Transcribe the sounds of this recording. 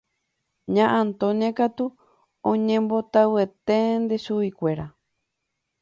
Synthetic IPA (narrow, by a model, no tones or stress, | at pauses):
ɲãʔãnt̪oɲẽkat̪u | õɲẽmbo̞t̪awe̞t̪end̪e̞ʃuʋikʷe̞ɾa